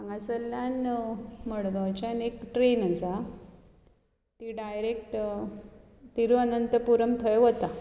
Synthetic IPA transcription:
aŋɡasəlːjanməɽɡawt͡ɕanekʈɾenasa | t̪iɖajɾek̚ʈ | t̪iɾuanənt̪əpuɾəmt̪ʰəjʋət̪a

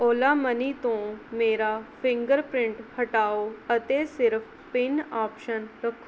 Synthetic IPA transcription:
oːlaːməniːt̪õːmeːɾaːpʰɪ̃ŋɡəɾpɾɪ̃ɳʈhəʈaːoːət̪esɪɾpʰ | pɪnaːpʃənɾəkʰ

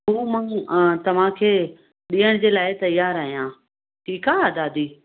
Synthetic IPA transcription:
ɦuːmɐ̃t̪ɐʋ̤ãkʰeː | ɗiːəɽ̃d͡ʑeːlaːɪt̪ɐjaːɾɐːɦijãː | ʈʰiːkaːd̪aːd̪iː

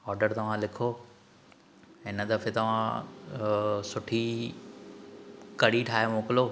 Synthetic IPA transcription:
ɔːɾɖəɾt̪ɐʋ̤ãlɪkʰoː | ɪnəd̪ɐfet̪ɐʋ̤ã | sʊʈʰi | kɐɽiʈʰaːɦemoːkɪloː

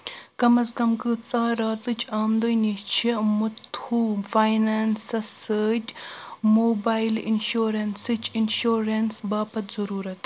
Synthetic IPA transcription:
kɐmɐsɡɐmkɨt͡saːɾaːt̪ɨt͡ʃʰaːmd̪ojnit͡ʃʰimut̪uːfaːjnaːnsɐsəːtʲmoːbaːjlḭnʃoːɾensɨt͡ʃʰinʃoːɾensbaːpɐt̪zɐɾuːɾɐt̪

